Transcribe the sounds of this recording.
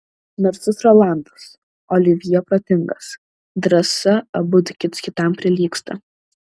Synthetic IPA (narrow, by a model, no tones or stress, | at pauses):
nɔɾʲt̪sʲɪsɾɔlˠɑˑnd̪ɐs | ɔlʲɪʋʲɪjɛpɾɐt̪ʲɪŋɡɐs | d̪ɾɐsɐbʊd̪ʲkʲɪt̪skʲɪt̪ɐmpʲɾʲɪlʲiːkst̪ɐ̰